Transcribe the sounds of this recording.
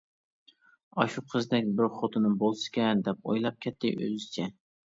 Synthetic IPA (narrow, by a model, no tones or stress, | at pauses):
ɑʃuqʰəzd̪ɛkʲbɪɾχot̪ʰɨnɨbolˠsɨ̥kʲɛd̪ɛp̚o̰jlˠɑp̚kʲʰɛt̪ʰːɪ̰ʔø̰zt͡ʃʰɛ